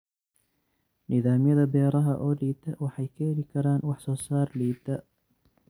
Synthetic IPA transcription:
nʔɪðaːmjɐðɐbɛːɾɐɦɐʔɔːliːd̪ɐwɑħɑjkʰɛɛlɪkʰɐɾaːnwɑħsɔːsaːrliːd̪ɐ

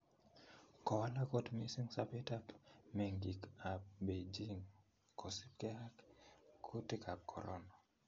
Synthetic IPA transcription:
kɔwalakɔtmisiŋsapitapmɛŋɡikap̚bed͡ʒiŋ | kʰɔsip̚kɛhakkʰutikʰap̚kʰɔ̰ɾɔ̰na

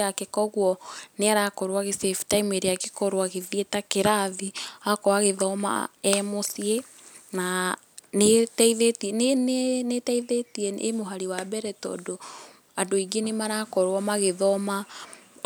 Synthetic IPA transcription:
akekɔɣwɔneaɾakɔɾwaɣeseftaimeɾeakekɔɾoaɣeðietakeɾaðiakɔaɣeðɔma̰ɛmosie | na | netiðetnnnetɛiðetiɛʔemoɦaɾiwabɛɾɛtɔ̰do | adoiɡenemaɾakɔɾwɔmaɣeðɔma

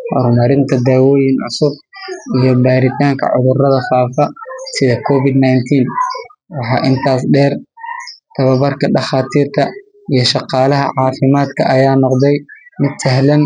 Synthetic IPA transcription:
hɔ̰ɾmɐɾɪnt̪ʰɐd̪aːwɔːjɪnʕʊ̰sʊb̚ʔijɔbaːɾɪt̪ʰaːŋkʰɐ̰ʕʊ̰ðʊrɐðɐfaːfɐsɪðɐkʰɔːfɪd̪najnt̪ʰiːnwɑħɑ̰ːʔɪnt̪ʰaːsɖɛːr | t̪ʰɐβɐβɐrkʰɐɖɑχaːt̪ʰiːrt̪ʰɐ | ijɞʃɑqɑːlɐɦɐ̰ʕɑːfɪmaːd̪kʰɐ̰ʔɐjaːnɔqd̪ɛjmɪd̪sɛɦlɐn

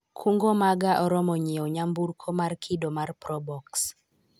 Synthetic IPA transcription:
kʰuŋɡomaɡaʔɔɾɔmɔɲiɔɲamburkʰomarkʰidomarpɾɔbɔks

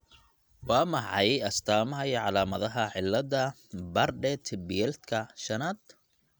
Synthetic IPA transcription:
wɑːmɑħɑjɐst̪ʰaːmɐɦɐjʕɑlaːmɐðɐɦɐʕɪlːɐd̪ɐ | bɐrɖɛt̪ʰbɪjɛlt̪kʰɐʃɐnaːd̪

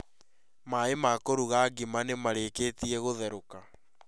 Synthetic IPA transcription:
maemakoɾuɣaɡimanemaɾeːkeːtiɛɣoðɛɾoka

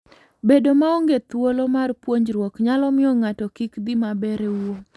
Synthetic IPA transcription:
bedomaoŋɡet̪wolomarpwoɲd͡ʒɾwɔkɲalɔmɪɔŋatɔkikd̪imabɛɾewo

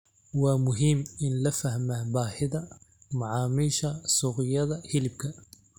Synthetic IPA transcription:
waːmʊɦɪmɪnlɐfɐhmabaːħɪðɐmaʕɑːmiːʃɐsuːqɪjɐðɐhɪlɪb̚kʰɐ

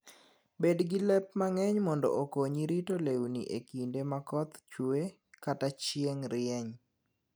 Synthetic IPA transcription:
bedɡilɛpmaŋɛɲmɔndɔ̰ʔokoɲiɾitolewnḭʔekindemakɔt̪t͡ʃwe | katat͡ʃɪeŋɾɪɛɲ

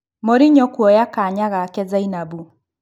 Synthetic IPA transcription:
moɾiɲɔkwɔjakaɲaɣakɛzainabu

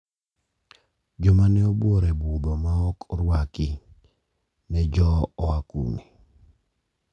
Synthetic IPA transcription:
d͡ʒɔmanɛoboɾɛbud̪ɔmaɔkɾwaki | nɛd͡ʒɔɔakṵmi

